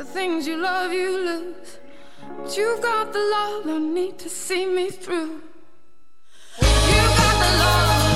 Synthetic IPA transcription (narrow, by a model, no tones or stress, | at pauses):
ðɨθɪ̃ŋzjɨlʌvjɨlʌz̥ | bʌt͡ʃɨvɡɑt̪̚ðəlʌðõnid̚tʰɨsimiθɹu | jɨɡɑt̪̚ðəlʌ